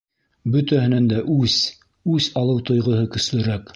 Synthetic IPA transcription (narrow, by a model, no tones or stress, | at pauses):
bɵ̆t̪æhɘ̆nænd̪æʔʉz | ʉsɑlˠɤwt̪ŏjʁɤ̆ɦɤkɵ̆slɵ̆ɾæk